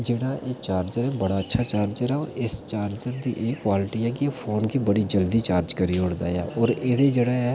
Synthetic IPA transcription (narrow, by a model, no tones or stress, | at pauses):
d͡ʒeːɽaːʔʔeːt͡ʃaːɾd͡ʒəɾɛbəɽaːətːʃʰaːt͡ʃaːɾd͡ʒəɾɛoɪst͡ʃaːɾd͡ʒəɾd̪iːʔeːkːʋaːlɪʈiɦɛːkiepʰoːnkiːbəɽid͡ʒəld̪it͡ʃaːɾd͡ʒkəɾioːɽd̪a̰ːjaːʔɔːɾɪd̪ed͡ʒeɽaɛː